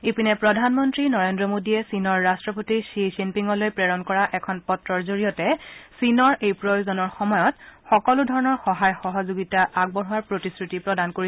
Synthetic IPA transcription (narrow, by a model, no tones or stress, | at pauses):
epinɛpɹɔdʱanmɔntɹinɔɹendɹɔmodiɛsinɔɹːastɹɔpotisisinpiŋɔlojpɹɛɹɔnkɔɹaʔɛkʰɔnpɔtɹɔɹzoɹijɔtɛsinɔɹejpɹojozɔnɔɹxɔmɔjɔtxɔkɔludʱɔɹɔnɔɹxɔɦajxɔɦɔzoɡitaʔaɡ̚bɔɹuwaɹpɹotisɹitipɹɔdankoɹi